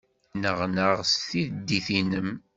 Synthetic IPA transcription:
nəʁnəʁsθiðd̪ːiθinəm

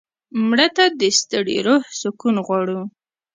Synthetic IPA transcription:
mɽət̪ad̪əst̪əɽḭɾohsʊkunɣwɑɽu

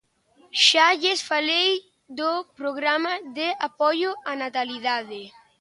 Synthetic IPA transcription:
ʃaʎesfalej | d̪opɾoɣɾamaðeapɔjoanat̪aliðaðe

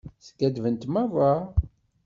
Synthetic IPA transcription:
θkæd̪vənt̪mæva

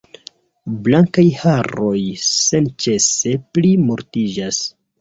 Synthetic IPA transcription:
blaŋkajhaɾo̞jse̞nt͡ʃe̞se̞plimoɾtid͡ʒas

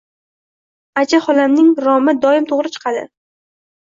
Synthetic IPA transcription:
at͡ʃʰaχɒlamnɪŋɾɒmɪd̪ɒɪmt̪ʰoʁɾɪt͡ʃʰɨ̥qʰɑd̪ɪ̰

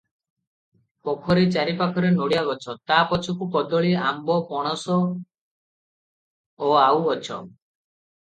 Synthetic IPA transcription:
pɔkʰɔɾet͡ʃaɾipakʰɔɾenoɽijaɡɔt͡ʃʰɔt̪apɔt͡ʃʰɔkukɔd̪ɔɭiambɔpɔɽ̃ɔsɔ | awɔt͡ʃʰɔ̰

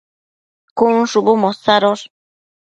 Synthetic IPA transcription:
kunʂubumosaɾoɾ

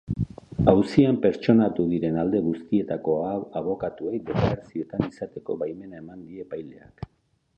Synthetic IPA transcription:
awsiampe̞ɾt͡ʃo̞nat̪uðiɾe̞nald̪e̞ɣust̪ie̞t̪ako̞aaβo̞kat̪uejd̪e̞kaβeɾasie̞t̪anisat̪e̞ko̞̰βajme̞nae̞mand̪ie̞pajle̞̰a̰k

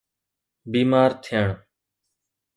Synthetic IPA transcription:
biːmaːɾt̪ʰɪjəɳ

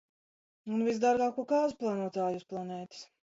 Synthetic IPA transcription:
unvisd̪aɾɡaːkuɔkaːzuplˠanuɔt̪aːjusplˠanɛːt̪i̥s

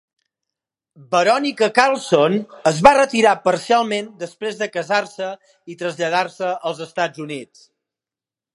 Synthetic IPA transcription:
bəɾɔnikəkalˠsonəzβarət̪iɾapəɾsialˠmend̪əspɾezðəkəzaɾsə | it̪ɾəzʎəðaɾsəəlˠzəst̪ad͡zunit͡s

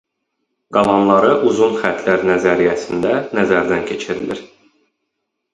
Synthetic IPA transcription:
ɡ̥ɑlˠɑnlˠɑɾɯʔuzunχæt̪ʰlæɾnæzæɾijæsind̪ænæzæɾd̪æncʰe̞t͡ʃʰiɾiliɾ

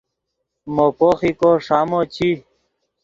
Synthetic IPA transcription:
mopoːxikoʂaːmot͡ɕʰi

